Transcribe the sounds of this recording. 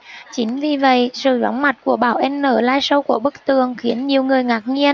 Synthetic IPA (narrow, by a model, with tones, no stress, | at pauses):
t͡ɕi˨˦ŋ̟vi˨˩və̰˧˨jsɨ̰˧˩zɔ̰˨˦wŋ͡mma˨˩t̚ku˧˩əɓaː˧˩wʔɛ˧mnəː˧˩laː˧jsə˧wku˧˩əɓɨ˦˥k̚t̪ɨ˨˩˨əŋxi˨˦ənɲi˨˩əwŋɨ˨˩əjŋaː˨˩k̚ŋi˧ən